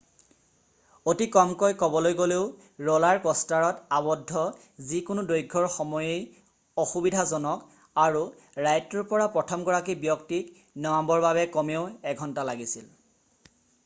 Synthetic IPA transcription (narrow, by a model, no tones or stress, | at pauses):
otikɔmkojkɔbɔlojɡoleʊ | ɹɔlaɹkɔstaɹɔtabɔdʱːɔ | zikʊnʊdojɡʱːɔɹxɔmɔjej | ɔxubidʱazɔnɔk | aɹu | ɹajtɔɹpɔɹapɹɔtʰɔmɡɔɹak̬ibjɔktik | nɔambɔɹbabɛkɔmeʊɛɡʱɔntalaɡisil